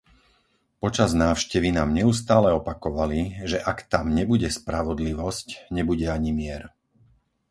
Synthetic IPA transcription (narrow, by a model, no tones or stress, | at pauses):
pɔt͡ʃaznaːʊʃcɛʋinaːmɲɛus̬t̪aːlɛɔpakɔʋaliʒɛʔakt̪amɲɛbuɟɛspɾaʋɔd̪liʋɔscɲɛbuɟɛaɲimɪɛɾ